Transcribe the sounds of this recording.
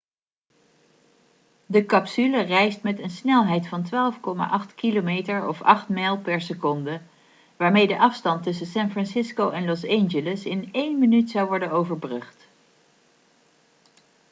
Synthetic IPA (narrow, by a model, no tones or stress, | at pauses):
dəkɑpsylərɛjstmɛtənsnɛlˠɦɛjtfɑntʋaːlˠfkɔma̰ːʔɑχtkilomejtəɹɔ̰fɑ̰χtmɛjlˠpɛɹsəkɔndə | ʋaːɹmejdəʔɑfstɑntɵsəsɛnfrɑnsɪskowɛnlɔsɛnʒələsɪnejnmənytsɑwʋɔɹdənowvəɹbrɵχt